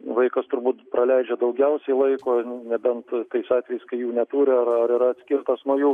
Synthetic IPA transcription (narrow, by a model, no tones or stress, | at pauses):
ʋɐɪkɐst̪ʊɾbuːt̪pɾɐlʲɛɪd͡ʒʲɛd̪ɐʊɡʲɛʊsʲɛɪlˠɐɪkoːnʲɛbʲɛnt̪t̪ɐɪsɑːt̪ʲʋʲɛjɛɪskɐɪjuːnʲɛt̪uːɾʲɪɐrɐɾiɾɐɐt̪ʲsʲkʲɪrt̪ɐsnuːjuː